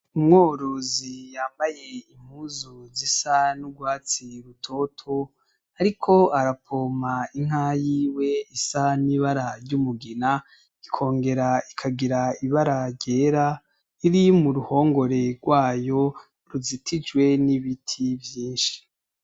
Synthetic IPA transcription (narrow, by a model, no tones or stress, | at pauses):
umŋoːɾozijaːmbaje̞im̥huːzuzisanuɡwaːt͡siɾutʰo̞tʰo̞ | aɾikʰo̞aɾapʰoːmaiŋ̥ɦajiːwe̞isaniβaɾaɾɟumuɡina | ikʰo̞ːŋɡe̞ɾaikʰaɡiɾaiβaɾaɾɟeːɾa | iɾimuɾuho̞ːŋɡo̞ɾe̞ɡwaːjo̞ | ɾuzitʰid͡ʒwe̞niβitʰivjiːnʃi̥